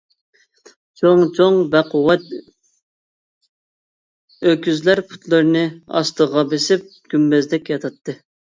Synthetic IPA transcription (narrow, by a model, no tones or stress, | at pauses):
t͡ʃʰoŋt͡ʃʰoŋbæqʰʊwɛt̪ | økʲyzlæɾpʰu̥t̪lˠɨɾɨnɨɑ̰st̪əʁɑbesɪp̚ɡ̥ʲymbɛzd̪ɛkʲjɑt̪ʰɑt̪ʰːɨ